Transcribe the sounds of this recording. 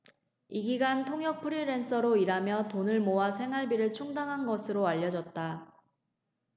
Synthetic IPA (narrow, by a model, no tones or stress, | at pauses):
iɡiɡantʰoŋɦjʌk̚pʰɯɾiɾe̞ns͈ʌɾoiɾamjʌtonɯɭmoasʰe̞ŋɦaɭbiɾɯɭt͡ɕʰuŋdaŋɦanɡʌsʰɯɾoaʎːʌd͡ʑʌt̚t͈a